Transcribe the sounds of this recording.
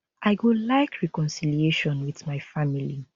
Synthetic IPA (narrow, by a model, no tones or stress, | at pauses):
ʔaɪɡolaɪkɹikɔ̃nsilieʃɔ̃nwiθmaɪfamili